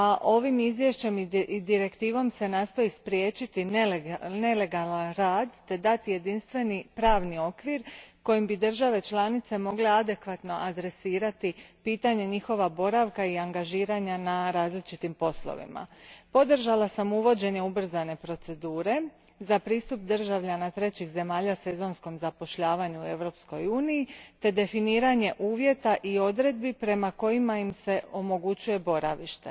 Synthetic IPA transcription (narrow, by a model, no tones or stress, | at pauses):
aʔo̞ʋimizʋje̞ʃt͡ɕe̞miid̪iɾe̞kt̪iːʋo̞mse̞naːst̪o̞jispɾʲje̞ːt͡ʃit̪inne̞le̞ɡalanɾaːd̪t̪e̞d̪at̪ije̞d̪inst̪ʋe̞nipɾaːʋnio̞kʋiɾko̞jimbid̪r̩ʒaʋe̞t͡ʃlˠanit̪se̞mo̞ɡle̞ad̪e̞kʋat̪no̞ʔad̪ɾe̞siːɾat̪ipiːt̪aɲe̞ɲixo̞ʋabo̞ɾaʋkaiaŋɡaʒiːɾaɲanaɾaːzlit͡ʃit̪impo̞slo̰ʋḭma̰po̞d̪r̩ʒalasamuʋo̞d͡ʑe̞ɲe̞ubr̩zane̞pɾo̞t̪se̞d̪uːɾe̞ | zapɾiːst̪up̚d̪r̩ʒaʋʎanat̪ɾe̞t͡ɕixze̞maːʎase̞zo̞nsko̞mzapo̞ʃʎaːʋaɲue̞ʋɾo̞psko̞juːnijːt̪e̞d̪e̞finiːɾaɲe̞ʔuːʋje̞t̪aʔio̞d̪ɾe̞d̪̚bipɾe̞mako̞jimaimse̞ʔo̞mo̞ɡut͡ɕuje̞bo̞ɾa̰ʋiʃt̪e̞̰